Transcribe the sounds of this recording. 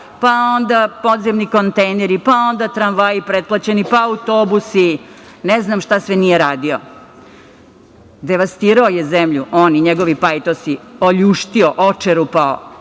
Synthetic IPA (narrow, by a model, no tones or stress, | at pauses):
pao̞nd̪apod̪zemniko̞nt̪ejneɾipao̞nd̪at̪ɾanʋajipɾet̪̚plˠat͡ɕenipaːut̪obusi | neznamʃt̪asʋenijeɾaːd̪io | d̪eʋast̪iːɾaojezemʎuʔoːniɲeɡo̞ʋipajit̪osioʎuːʃt̪ioʔot͡ʂeɾupao̰